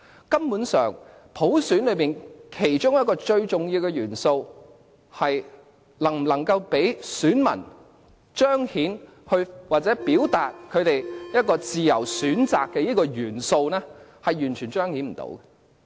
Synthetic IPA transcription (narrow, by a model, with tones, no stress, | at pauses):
kɐ˥mpuː˨˥nsœː˨˩ŋ | pʰo˨˥wsyː˨˥nlɵ˨˧miː˨˩nkʰe˨˩jt͡ʃʊ˥ŋjɐ˥t̚kɔː˧t͡ʃɵ˧ɥt͡sʊ˨ŋjiː˧wkɛ˧jyː˨˩nso˧w | hɐ˨j | lɐ˨˩ŋ̩˨˩lɐ˨˩ŋkɐ˧wpe˨˥jsyː˨˥nmɐ̰˨˩n | t͡ʃœː˥ŋhiː˨˥n | hɵ˧ɥwaː˨˩t͡sɛː˨˥piː˨˥wt̪aː˨t̚kʰɵ˨˧ɥt̪e˨jjɐ˥t̚kɔː˧t͡siː˨jɐ̰˨˩wsyː˨˥nt͡saː˨kːɛː˧jiː˥kɔː˧jyː˨˩nso˧wnɛː˥hɐ˨jjyː˨˩nt͡ʃʰyː˨˩nt͡ʃœː˥ŋhiː˨˥nm̩˨˩t̪o̰˧˥wkɛ˧